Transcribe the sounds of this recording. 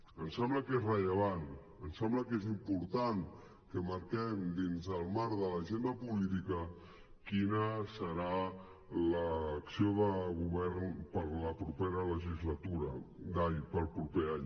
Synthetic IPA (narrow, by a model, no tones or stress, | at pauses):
ənsɛmbləkezrəʎəβ̞an | ənsɛmbləkezimpuɾt̪an | kəməɾkɛmd̪inzəlˠmaɾðələʒend̪əpulit̪ikə | kinəsəɾa | ləːksioðəɣuβɛɾnpəɾləpɾupeɾələʒizlət̪uɾəd̪ajpəlˠpɾupeaɲ